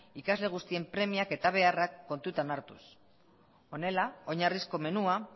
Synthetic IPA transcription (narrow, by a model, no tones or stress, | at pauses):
ikazle̞ɣ̞ust̪ie̞mpɾe̞miake̞t̪aβ̞e̞arakːo̞nt̪ut̪anaɾt̪ṵs | o̞ne̞lao̞ɲarisko̞me̞nua